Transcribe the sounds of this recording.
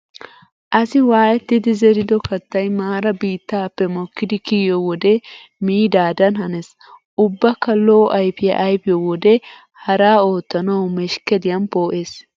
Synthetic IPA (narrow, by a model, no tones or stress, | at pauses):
ʔɐsɪwaːjɛt̪ːɪd̪ɪzɛɾɪd̪ɔkɐt̪ːɐjmaːɾɐbiːt̪ːaːpːɛmɔkːɪd̪ɪkiːɔwɔd̪ɛ | miːd̪aːd̪ɐnhɐnɛs | ʔʊbːɐkːɐloːʔɐjpɪjɐ̰ʔɐjpɪjɔwɔd̪ɛ | hɐɾaːo̞ːt̪ːɐnɐwmɛʃkɛd̪ɪjɐnpo̞ːʔeːs